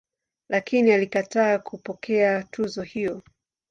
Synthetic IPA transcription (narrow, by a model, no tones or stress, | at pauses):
lakinialikataːkʰupɔkʰɛatʰuzɔhijɔ